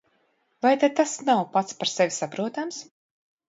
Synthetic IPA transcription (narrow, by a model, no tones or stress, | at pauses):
vajt̪ad̪̚t̪asnawpat̪spaɾsevʲisapɾuɔt̪ams